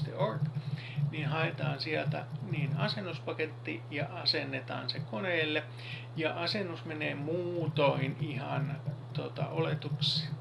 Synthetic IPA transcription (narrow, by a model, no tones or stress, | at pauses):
t̪ḛork | ninhɑet̪ɑːnsiælt̪æ̰niːnɑsenːuspɑket̪ːijɑʔɑsenːet̪ɑ̰ːnsekoneːlːe | jɑʔɑsenːusmeneːmuːt̪oinihɑnt̪ot̪ɑ̰ʔolet̪uksi